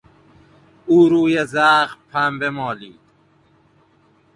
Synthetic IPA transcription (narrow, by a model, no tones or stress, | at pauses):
uːɾuːjezaːɣpʰambemɔːliːd̪